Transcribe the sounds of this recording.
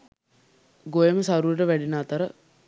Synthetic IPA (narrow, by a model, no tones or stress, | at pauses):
ɡojəməsaɾuəʈəʋæɖinaːt̪əɾə